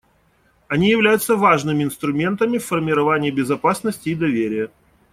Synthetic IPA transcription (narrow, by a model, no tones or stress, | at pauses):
ɐnʲijɪvlʲæjʊt̪səvaʐnɨmʲɪɪnst̪ɾʊmʲe̞nt̪əmʲɪfːərmʲɪɾɐvanʲɪːbʲɪzɐpasnəsʲtʲɪːd̪ɐvʲeɾʲɪjə